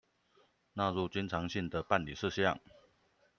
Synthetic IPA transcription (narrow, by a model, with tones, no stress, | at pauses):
na˥˨ɻu˥˨t͡ɕi˥nʈ͡ʂʰɑ˧˥ŋɕi˥˩nd̪ə˩pa˥˨nli˨˩ʂɻ̩˥˧ɕjɑ̰˥˨ŋ